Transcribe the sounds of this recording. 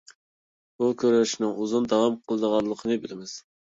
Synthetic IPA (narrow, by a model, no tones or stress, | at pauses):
bukʲʰøɾøʃnɨŋuzund̪ɑwɑmqʰəlˠd̪əʁɑlˠːəqʰənɨbɪlɪmɪz̥